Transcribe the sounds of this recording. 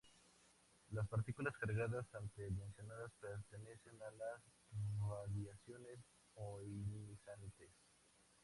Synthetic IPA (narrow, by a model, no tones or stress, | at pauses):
laspaɾt̪ikulaskaɾɣaðasant̪emensjo̞naðaspeɾt̪ene̞se̞nalas | vaðjasjo̞nes | oinimisant̪es